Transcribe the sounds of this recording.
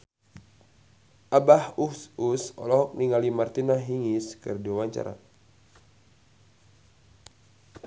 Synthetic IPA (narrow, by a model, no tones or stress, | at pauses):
ʔabahususɔ̰lɔɦɔk̚niŋalimart̪inaɦiŋiskɨrdiwawaɲt͡ʃa̰ɾa̰